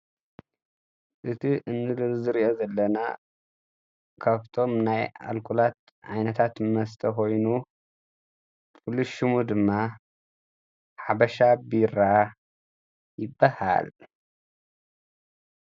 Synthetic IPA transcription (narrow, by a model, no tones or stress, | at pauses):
ʔɨt̪ʰiʔɨnːɨlɨzɨɾiʔozɐlːɐna̰ | kʰaβt̪ʰo̞mnaja̰lkʰulat̪̚ | ʕa̰jnɐt̪ʰat̪mɐst̪ʼʰɐko̞jnu | fuluʃumud̪ɨmːa | ħaβɐʃabiɾa | jɪbːaha̰l